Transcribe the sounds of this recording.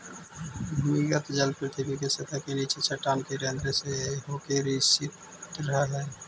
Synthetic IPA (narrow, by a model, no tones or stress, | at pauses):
bʱumiɡət̪d͡ʒəlpɾt̪ʰibikeset̪ʰakenit͡ʃʰet͡ʃʰəʈamkeɾend̪ɾeseɦokeɾisit̪ | ɾəɦəɦɛ